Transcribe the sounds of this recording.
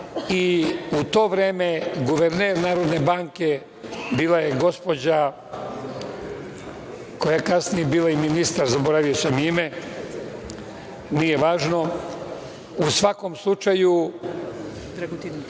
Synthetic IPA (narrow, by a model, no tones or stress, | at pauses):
iut̪o̞ːʋɾe̞ːmeɡuʋeɾneɾnaːɾo̞d̪ne̞baːŋke̞ | biːlajeɡo̞spo̞d͡ʑa | ko̞jakasnijebiːlaiminist̪aɾzaboɾaʋijosomime | nije̞ʋaːʒno̞ | usʋako̞mslˠut͡ʃaju